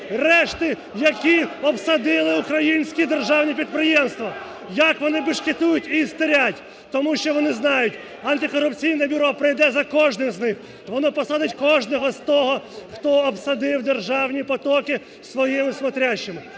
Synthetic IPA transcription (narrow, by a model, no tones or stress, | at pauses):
rɛʃt̪ɪ | jɐkʲiɔpsɐd̪ɪlˠɪukɾɐjinʲsʲkʲid̪erʒɑwnʲip̬ʲid̪̚pɾɪjɛmst̪ʋɐ | jɐkʋɔnɪbɪʃkɪt̪ujʊtʲist̪ɪɾʲatʲ | t̪ɔmuʃt͡ʃɔʋɔnɪznɑjʊtʲ | ɐnt̪ɪkɔɾʊpt͡sʲijnɛbʲʊɾɔpɾɪjd̪ɛzɐkɔʒnɪmznɪx | ʋɔnɔpɔsɑd̪ɪtʲkɔʒnɔɦɔzt̪ɔɦɔxt̪ɔːpsɐd̪ɪwd̪erʒɑwnʲipɔt̪ɔkɪ | sʋɔjimɪsmɔt̪ɾʲat͡ʃːɪmɪ